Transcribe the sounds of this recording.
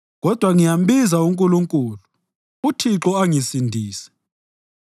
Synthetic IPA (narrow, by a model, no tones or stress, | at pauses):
ɣɔd̥ʱwaŋijam̩ɓizauŋkʼuluŋkʼuːlu | utʰiǁɔaŋisindʱiːsɛ̥